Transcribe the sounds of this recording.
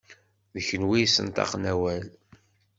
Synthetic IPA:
ðəçənwijsə̰nt̪ɑ̰qnæwæl

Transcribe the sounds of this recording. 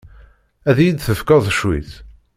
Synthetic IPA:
æðjid̪θəfkɑðˤʃwḭθ

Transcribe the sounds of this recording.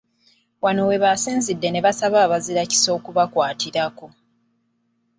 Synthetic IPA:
wano̞we̞βasiːnzidːe̞ne̞βasaβaːβaziɾaci̥so̞ːkuβakwaːtiɾako̞

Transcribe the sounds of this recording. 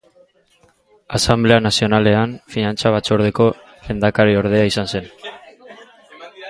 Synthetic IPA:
asamble̞anasio̞nale̞anfinant͡saβat͡soɾðe̞ko̞ | lend̪akaɾio̞ɾð̞e̞aisanse̞n

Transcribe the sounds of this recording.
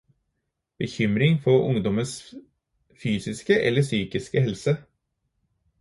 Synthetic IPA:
b̥əçʏmɾɪŋfɔɾʔʊ̰ŋd̪ɔməns | fyːsɪskəʔɛ̰lːəsyːkɪskəhɛlsə

